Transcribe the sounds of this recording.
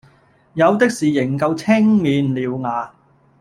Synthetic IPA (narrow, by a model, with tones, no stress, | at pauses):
jɐ˨˧wt̪ɪ˥k̚siː˨˩jɪ˨˩ŋkɐ˧wt͡sʰɪ˥ŋmiː˨˧nliː˨˧wŋaː˨˧